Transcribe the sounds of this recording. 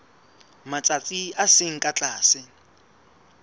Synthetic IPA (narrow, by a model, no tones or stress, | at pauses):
mat͡sʼat͡sʼiasɪŋ̩kʼat͡ɬʼaːsɪ